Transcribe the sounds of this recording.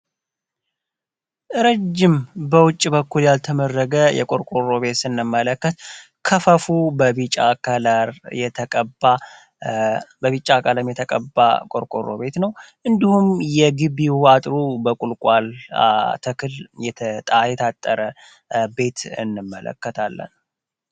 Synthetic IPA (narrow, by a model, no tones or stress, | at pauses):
ʔɨɾəd͡ʒːɪmbəwʊt͡ʃʼːibəkʰːuljalt̪ʰəmərːəɡəjɛ̰kʼoɾkʼoro̞βe̞t̪sɨnːɨmːələkːət̪ | kʰəfəfubəβit͡ʃʼakəlaɾjɛt̪ʰəkʼəba | bəβit͡ʃʼːakʰʼələmjɛt̪ʰəkʼəbːa̰kʼoɾkʼorːo̞̰βe̞t̪nəwʔɨnd̪ihumjɛɡɨβiat̪ʼɾubəkʼulkʼal̰t̪ʰəkʰɨljɛt̪ʰət̪ʼajɛt̪ʰat̪ʼːəɾə | be̞t̪ɨ̰nːɨmːələ̰kːət̪ʰalːə̰n